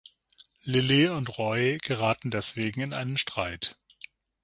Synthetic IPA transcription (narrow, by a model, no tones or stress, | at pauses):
lɪliʊntʁɔʏɡ̥əʁaːtn̩dɛsv̥eːɡŋ̩ɪnʔa̰ɪnənʃtʁ̥aɪt